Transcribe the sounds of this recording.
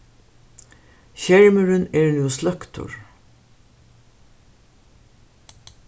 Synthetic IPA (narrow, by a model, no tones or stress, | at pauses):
çæɹməɹəneːɹnuːslœkt̪ʰʊ̰ɹ